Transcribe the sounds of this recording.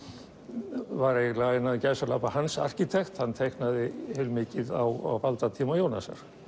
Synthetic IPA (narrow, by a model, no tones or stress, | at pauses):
vaɾejɣlaɣnaðɪcajsaɾlapahansa̰r̥cɪt̪ʰɛxt̪hanːt̪ʰejhknaðɪhɛlmɪːcɪðawa̰wvalt̪at̪ʰiːmajoːwna̰sa̰ɾ̥